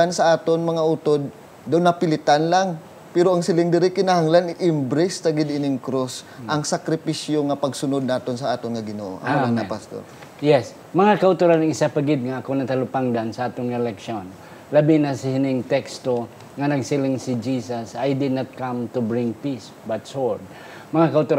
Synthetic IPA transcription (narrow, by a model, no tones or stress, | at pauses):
ansɐʔaːt̪onmɐŋaʔut̪od̪̚ː | aʊnːɐpɪlɪt̪anlaŋ | pɛɾoʔɐŋsɪlɪŋd̪ɪɾɪkɪnahaŋlanɪʔɪmbɾɛst̪ɐɡɪd̪ʔɪnɪŋkɾos | ʔɐŋsɐkɾɪpisjoŋɐpɐɡsʊnod̪̚naːt̪o̞nsɐʔaːt̪onŋɐɡɪno̰ʔo̰ʔa̰lanapast̪o̰ɾ | jɛs | mɐŋakɐʊt̪oɾanɐŋɪsapɐɡɪd̪̚ŋaʔɐkonɐt̪alʊpaŋd̪ansɐʔaːt̪oŋɛlɛkʃon | lɐbinasɪhɪnɪŋt̪ɛkst̪o | ŋɐnɐɡsɪlɪŋsid͡ʒiːsɐsajd̪ɪd̪̚nat̪̚kamt̪ubɹɪŋpis | bat̪soɹd̪̚ | mɐŋakɐʔʊt̪oɾ